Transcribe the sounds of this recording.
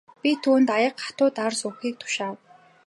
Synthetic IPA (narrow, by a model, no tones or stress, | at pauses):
pʲit̪ʰuːnt̪ajə̆qɢḁt̪ʊːt̪arsʊːxiːk̚t̪ʰʊ̥ʃaː